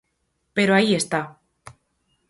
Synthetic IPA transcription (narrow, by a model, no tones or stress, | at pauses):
pe̞ɾoaie̞st̪a